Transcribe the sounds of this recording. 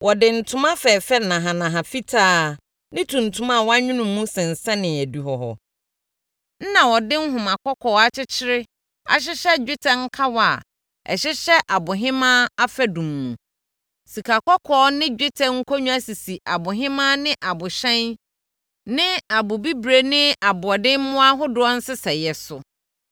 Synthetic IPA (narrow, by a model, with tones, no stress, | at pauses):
wʔɔ˨dɪ˨n̩˨tʰʊ̃˦mã˦fɛ˨fɛ˦nã˨ɦã˨nã˨ɦã˨fi˦tʰaː˦ | nɪ̃˦tʰũ˨n̩˨tʰʊ̃˦ma˦˨wɔ˦a˦ɲᶣʊ̃˦nʊ̃˨mːũ˦sɛ̃˨n̩˨sɛ̃˦nɪ̃˨æ˨di˨ɦɔ˨ɦɔ̰˨ | n̩˦nã˨wɔ˨dɪ̃˦n̩˦ɦʊ̃˨mã˨kʰɔ˦kʰɔː˨˦a˦t͡ɕʰɪ˦t͡ɕʰɪ˦ɾɪ˦ | a̰˨ɕ̬ɪ˦ɕɛ˦d͡ʑᶣɪ˦tʰɛ̃˦ŋ̩˦kʰa˦wa˨ | ɛ̰˨ɕɪ˦ɕɛ˦ʔa˨bʊ˨ɦɪ̃˦mãː˦a˦fæ˦dũ˨mːṵ̃˨ | si˨kʰa˨kʰɔ˦kʰɔː˨˦nɪ̃˦d͡ʑᶣɪ˦tʰɛ̃˨˦ŋ̩˦kʰo˦ɲũ˦æ˦si˨si˨ʔa˨bʊ˨ɦɪ̃˦mã˦nɪ̃˦ʔa˨bʊ˨ɕɛ̃˦n | nɪ̃˦a˨bʊ˨bi˦bɾe˨nɪ̃˦a˨bʊ˨ɔ˨dɪ̃˦n˦mʊ̃˦a˦ɦʊ˦dʊ˨˦ɔ˦n̩˦sɪ˦sɛ˨jɛ˨sʊ˨